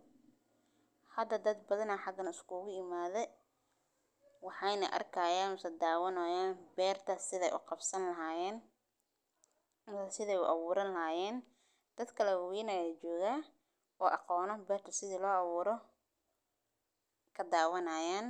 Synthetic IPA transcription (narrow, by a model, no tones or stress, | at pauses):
hɐd̪ɐd̪ɐd̪bɐðɐnɐħɑɡɐnɪskʰuɣʊɪmaːðɛ | wɑħɑjnɐ̰ʔɐ̰rkʰɐːjaːnsɐd̪aːwɐnɔːjaːnbɛːrt̪ʰɐsɪðɛjʔʊ̰qɑbsɐnlɐɦaːjɛːn | msɪðɛjʊ̰ʔɑβuːɾɐnlɐɦaːjɛːn | d̪̥ɐd̪kʰɐlɛwjɪnɐjɐt͡ʃɔːɣaː | ɔːʔɑqɔːnɔbɛːrt̪ʰɐsɪðiːlɔːʔɑβuːɾɔ | kʰɐd̪aːwɐnɐjaːn